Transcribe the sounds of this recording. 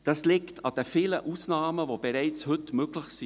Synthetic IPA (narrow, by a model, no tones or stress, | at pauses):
d̥ɑslɪktɑd̥ɛfɪləʔuːsnɑːməvob̥ɛɾɛɪt͡shʏtmøɡlɪçsi